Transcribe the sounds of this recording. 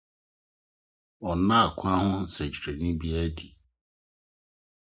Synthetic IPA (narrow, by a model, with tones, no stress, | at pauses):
ɔ˨nã˦a˨kʰʷʊ˦a˦hʊ̃˦˨sɛ˨d͡ʒi˨ɾe˨nĩ˦bi˦ɛ˦di˨